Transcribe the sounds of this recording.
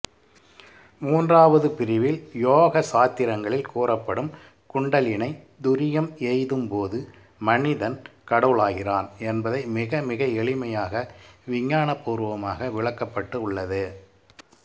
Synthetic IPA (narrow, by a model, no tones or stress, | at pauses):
muːndraːʋɐðɯpɪɾɪʋɪljoːɣɐsaːt̪ːɪɾɐŋɡɐɭɪlkuːrɐpːɐɽɯm | kʊɳɖɐlɪnɐɪ | d̪ʊɾɪjɐmɛɪðɯmpoːðɯ | mɐnɪðɐnkɐɽɐʋɭaːɣɪraːnɛnbɐðɐɪmɪɣɐmɪɣɐɛɭɪmɐjaːɣɐʋɪɲːaːɳɐpːuːɾɯʋɐmaːɣɐʋɪɭɐkːɐpːɐʈːɯʊɭːɐðɯ